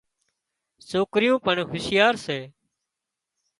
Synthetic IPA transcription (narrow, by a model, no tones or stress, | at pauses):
soːkɾɪjõːpəɳɦʊsjaːɾseː